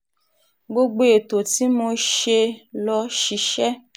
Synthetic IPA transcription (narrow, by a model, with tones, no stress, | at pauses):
ɡ͡bo˧ɡ͡bo˧e˨to˨ti˨˦mo˧ʃe˧lɔ˦ʃi˧ʃɛ˦